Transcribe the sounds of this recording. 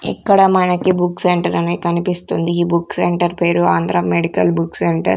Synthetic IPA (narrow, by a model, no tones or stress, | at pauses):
ɛ̰kːɐɽɐmɐnɐkibukseɳʈɐɾɐneːkɐnipist̪und̪iːbukseɳʈɐɾpe̞ːɾuaːnd̪ʱɾɐmeɽikɐlbukseɳʈɐ̰ɾ